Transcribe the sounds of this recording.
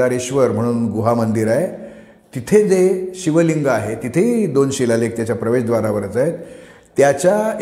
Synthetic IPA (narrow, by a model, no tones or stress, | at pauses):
aɾeɕʋəɾm̤əɽ̃uːnɡuɦamənd̪iɾaɦe | t̪it̪ʰed͡zeɕiʋəliŋɡaɦet̪it̪ʰeɦid̪onɕilalek̚t̪jat͡ɕjapɾəʋeɕd̪ʋaɾaʋəɾət͡saɦet̪ː | jat͡ɕja